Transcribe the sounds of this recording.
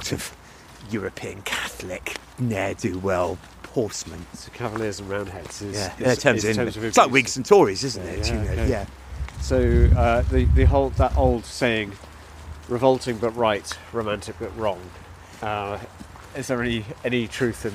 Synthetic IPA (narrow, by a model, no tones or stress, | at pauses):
tʰəv̥ | jɔːɹəpʰĩə̃nkʰaθlɪk | nɛdʉwɛlˠ | pʰɔˑsmə̃nsoʊkʰavəlɪəzə̃n̩ɹãʊ̃nd̚ɦɛdz̥ɪjættʰɜ̃˞zɪ̃ɜ̃zslaɪkwɪɡsə̃n̩tʰɔːɹizɪzn̩tɪ̰jɨnoʊjæ | soʊʌðɨðɨɦoʊlˠd̪̚ðətoʊlˠd̥seɪɪ̃ŋ | ɹɨvʌlˠtɪ̃ŋbʌʔɹaɪtɹoʊmæ̃ntɪk̚b̥ʌʔɹɔ̃ŋ | ʌ | ɪzðəɹɪniɛnitʰɹ̥ʉˑθɨ̃n